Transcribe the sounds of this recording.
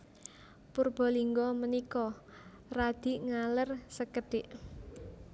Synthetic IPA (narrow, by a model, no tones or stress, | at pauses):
purb̥ɔ̤liŋɡɔmənikɔ | rad̪̥i̤ʔŋalərsəkəɖ̥ɪʔ